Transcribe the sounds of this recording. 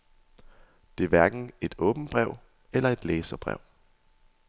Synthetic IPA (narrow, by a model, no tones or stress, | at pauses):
d̥e̝æɐʋæɐɡ̥n̩e̝d̥ɔ̽ːb̥n̩b̥ʁɛʊ̰ | elɐe̝d̥leːsɐb̥ʁɛ̰ʊ̰